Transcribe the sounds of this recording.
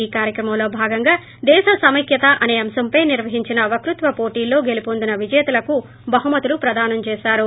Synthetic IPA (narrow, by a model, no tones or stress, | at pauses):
iːkaːɾjɐkɾɐmɐmlo̞ːbʱaːɡɐŋɡaː | d̪ɛːʃɐsɐmɐkʰjɐt̪ɐʔɐne̞ːɐmsɐmpɐjniɾʋɐɦiɲt͡ʃinɐʋɐkɾut̪ʋɐpo̞ːʈiːlːo̞ːɡe̞lipoːnd̪unɐʋid͡ʒɛːt̪ulɐku | bɐɦumɐt̪ulupɾɐd̪aːnɐmt͡ʃɛːʃaːɾu